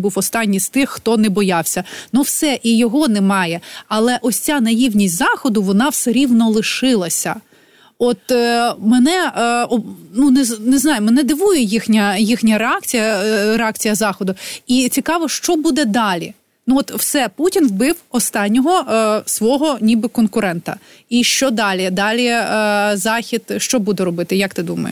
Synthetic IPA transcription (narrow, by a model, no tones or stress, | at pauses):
buwɔst̪ɑnʲːist̪ɪxːt̪ɔnɛbɔjɑwsʲɐnuwsɛʔijɔɦɔnɛmɑjɛɐlˠɛʔɔsʲt͡sʲanɐjiwnʲisʲtʲzɑxɔd̪ʊʋɔnɑwsɛɾʲiwnɔlˠɪʃɪlˠɐsʲɐ | ɔt̪mɛnɛɔnunɛnɛznɑjʊmɛnɛd̪ɪʋujɛjixnʲɐjixnʲɐɾeɑkt͡sʲijɐreɑkt͡sʲijɐzɑxɔd̪ʊit͡sʲikɑʋɔʃt͡ʃɔbud̪ɛd̪ɑlʲḭ | nuɔt̪w̥sɛputʲinʋbɪwɔst̪ɑnʲːɔɦɔsʋɔɦɔnʲibɪkɔnkʊɾɛnt̪ɐ̰ | iʃt͡ʃɔd̪ɑlʲid̪ɑlʲizɑxʲid̪ʃt͡ʃɔbud̪ɛɾɔbɪt̪ɪjɐk̚t̪ɪd̪umɐ̰jʊ̰